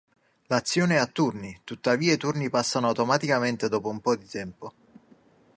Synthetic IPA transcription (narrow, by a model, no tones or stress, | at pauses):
lat̪sːjɔːneat̪ːurnit̪ut̪ːaviːait̪urnipasːanoawt̪omat̪ikament̪ed̪ɔːpoumpɔd̪it̪ɛmpo